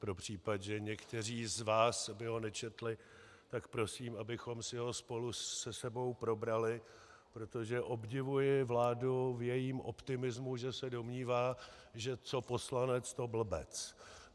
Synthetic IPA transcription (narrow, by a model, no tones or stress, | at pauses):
pɾo̞pr̝̥iːpad̪ʒɛɲɛkt̪ɛr̝iːzvaːsbɪɦo̞nɛt͡ʃɛt̪lɪ | t̪akpɾo̞siːmabɪxo̞msɪɦo̞spo̞lusɛsɛbo̞wpɾo̞bɾalɪ | pɾo̞t̪o̞ʒɛʔo̞bɟɪvujɪvlaːduvjɛjiːmʔo̞̰pt̪ɪmɪzmuʒɛsɛdo̞mɲiːvaːʒɛt͡so̞po̞slanɛt͡st̪o̞bl̩bɛ̰t͡s